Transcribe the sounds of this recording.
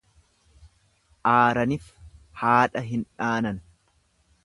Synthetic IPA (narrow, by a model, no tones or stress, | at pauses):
ʔaːɾɐnɪf | haːᶑɐɦɪnᶑaːnɐn